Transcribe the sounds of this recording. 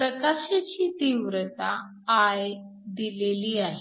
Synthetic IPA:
pɾəkaɕat͡ɕiːt̪iʋɾət̪aː | j | d̪ileliːaɦe

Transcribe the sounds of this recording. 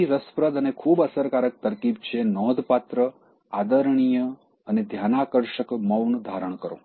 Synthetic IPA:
iɾəspɾəd̪ənekʰuːbəsəɾkaːɾək̚t̪əɾkib̚t͡ʃʰenɔːd̪ʱpat̪ɾə | ad̪əɾɳ̃ijə | əned̪ʱjanakəɾʃəkməwnd̪ʱaɾəɳ̃kəɾõ̰

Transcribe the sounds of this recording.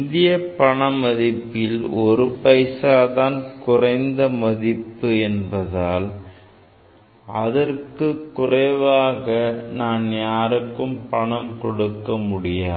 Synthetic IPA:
ɪnðɪjɐpɐɳɐmɐðɪpːɪlɔɾɯpɐɪsaːðaːnkʊrɐɪnd̪ɐmɐðɪpːɯɛnbɐðaːl | ɐðɐrkɯkːʊrɐɪʋaːɣɐnaːnjaːɾɯkːɯmpɐɳɐmkɔɽɯkːɐmʊɽɪjaː

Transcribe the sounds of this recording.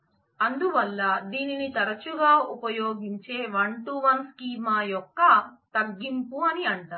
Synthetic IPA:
ɐnd̪uʋɐlːɐd̪iːninit̪ɐɾɐt͡ʃuɡaːupɐjoːɡiɲt͡ʃe̞ːʋɐɳʈuʋɐnskiːmaːjɔkːɐt̪ɐɡːimpuɐniɐɳʈaːɾ

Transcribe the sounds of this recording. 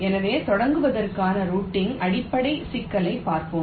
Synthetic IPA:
ɛnɐʋeːt̪ɔɽɐŋɡɯʋɐðɐrkaːnɐɾuːʈːɪŋʔɐɽɪpːɐɽɐɪsɪkːɐlɐɪpːaːɾkɯm

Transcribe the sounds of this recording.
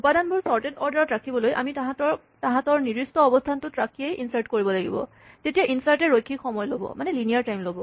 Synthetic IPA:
upadanbʊɹsɔɹtedɔɹdaɹɔtɹakʰibɔlojʔa̰mitaɦatɔɹ | taɦãtɔɹniɹistɔɔbɔstʰantʊtɹakʰiejinsaɹtkoɹibɔlaɡḭbɔ̰ | tetijaʔinsaɹtɛɹojkʰːikxɔmɔjlobɔ̰manɛlinijaɹtajmlobɔ

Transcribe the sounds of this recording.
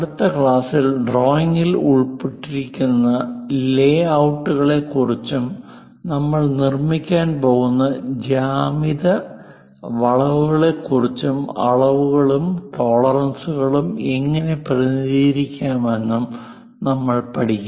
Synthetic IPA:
ɐɽut̪ːɐkɭaːsilɖro̞ːjiŋɡiluɭpiʈːiɾikʲːunːɐleːɐwʈːuɣɐɭe̞kːurit͡ɕːum | nɐmːɐɭnirmikʲːaːnpo̞ːɣunːɐd͡ʑaːmiðɐ | ʋɐɭɐʋuɣɐɭe̞kːurit͡ɕːumɐ̰ɭɐʋuɣɐɭumt̪o̞ːɭɐrɐnsuɣɐɭumeŋːɐne̞prɐniiːɾikʲːaːmʋe̞nːum | nɐmːɐɭpɐɽikʲːu

